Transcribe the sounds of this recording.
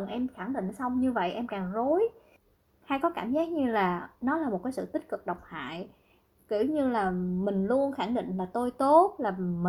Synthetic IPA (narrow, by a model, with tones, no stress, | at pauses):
ŋʔɛ˧mxa˧˩ŋɗḭ˧˨ŋ̟sa˧wŋ͡mɲɨ˧və̰˧˨jʔɛ˧mkaː˨˩ŋzo˨˦j | haː˧jkɔ˨˦kaː˧˩mzaː˦˥k̚ɲɨ˧laː˨˩nɔ˨˦laː˨˩mo˨˩t̚kaː˨˦jsɨ̰˧˨t̪ï˦˥k̟̚kɨ˨˩k̚ɗa˨˩wk͡p̚ha̰ː˧˨j | ki˧˩əwɲɨ˧laː˨˩mï˨˩ŋ̟lu˧ənxa˧˩ŋɗḭ˧˨ŋ̟laː˨˩t̪o˧jt̪o˦˥t̚laː˨˩m˨